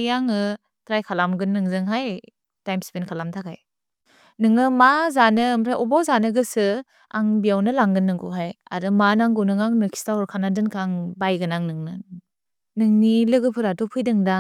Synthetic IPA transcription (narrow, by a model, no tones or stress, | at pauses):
jaŋɯ | tɾajkʰalamɡɯnːɯŋzɯŋɦaj | tajmspenkʰalamtʰakʰaj | nɯŋɯmazanɯːmɾʰaʔɔbawzanɯɡɯsɯ | aŋbijawnɯlaŋɡɯnːɯŋɡuɦaja̰ɾɯmanaŋɡunɯŋaŋnɯkʰi̥staɔɾkʰanadɯnkʰaŋbajɡɯnaŋnɯŋnɯ | nɯŋnilɯɡɯpʰɯɾatɔpʰɯjdɯŋda